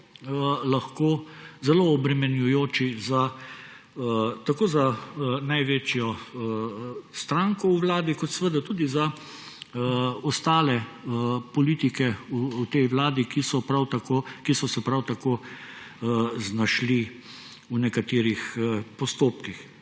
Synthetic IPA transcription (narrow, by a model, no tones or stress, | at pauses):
laxkoːzɛloɔbɾɛmɛnjujoːt͡ʃiza | t̪akoːzanajʋeːt͡ʃjɔ | st̪ɾaːŋkɔuʋlaːd̪ikɔt̪sɛʋəd̪at̪uːd̪iza | ɔst̪aːlɛ | pɔliːt̪ikɛuːt̪ɛjwlaːd̪ikisɔpɾawt̪akokisɔsɛpɾawt̪akoː | znaʃli | unɛkat̪eːɾixpɔst̪oːpkix